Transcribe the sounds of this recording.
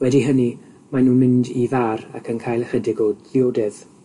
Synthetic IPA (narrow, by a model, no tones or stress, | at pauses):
wɛdiɦəni | manuːnmɪndiðaːɾa̰kʰənkʰaːjlˠərədɪɡoːdðɪoːdɛð̥